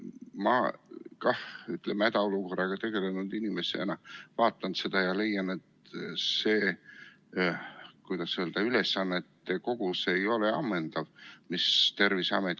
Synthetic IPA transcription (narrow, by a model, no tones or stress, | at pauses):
mɑkɑhyt̪ˑlemæd̪ɑo̞luko̞rːɑɡ̥ɑt̪e̞ɡ̥e̞le̞nud̪̥inimesḛḛnɑvɑːt̪ːˑɑnse̞d̪̥ɑjɑle̞jːɑne̞t̪se̞ː | kujd̪̥ɑseld̪̥ɑylesːɑnːet̪ːeko̞ɡ̥use̞jo̞leɑ̰mːend̪̥ɑvmist̪e̞rvisɑ̰met̪